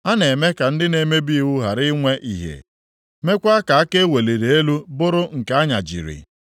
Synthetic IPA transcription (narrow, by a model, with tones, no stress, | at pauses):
a˦ne˨me˦ka˨n̩˦dɪ˦ne˨me˦bi˦wu˦ɦa˨ɾɪ˦ŋʷe˦ʔḭ˦˨ɦḛ˨ | me˦kʷa˦a˦ka˨a˦ke˦e˦we˨le˨ɾe˨e˦lu˦bʊ˦ɾʊ˦ŋ̩˨ka˦a˦ɲa̰˨d͡ʒḭ˨ɾɪ̰˨